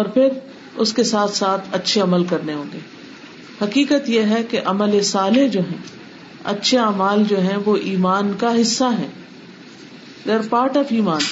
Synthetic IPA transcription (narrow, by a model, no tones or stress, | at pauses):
ɔːɾpʰɪɾ | ʊskesaːt̪ʰsaːt̪ʰɐtːʃʰeɐməlkɐɾneɦõːɡeː | hɐkiːkət̪jeɦɛkeʔɐməlesaːled͡ʒoːɦɛ̰̃ː | ɐ̰tːʃʰeaːmaːld͡ʒoːɦɛ̃ʋoʔiːmaːnkaɦɪsːaɦɛ̰̃ː | d͡ʒɐɾpaːʈəfiːmaːn